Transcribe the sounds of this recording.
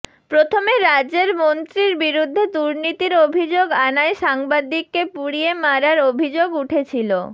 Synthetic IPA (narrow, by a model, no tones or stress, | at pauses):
pɾot̪ʰomeɾad͡ʑeɾmont̪ɾiɾbiɾud̪ʱːed̪uɾnit̪iɾobʱid͡ʑoɡanaeʃaŋbad̪ikːepuɽiemaɾaɾobʱid͡ʑoɡuʈʰet͡ɕʰilo̰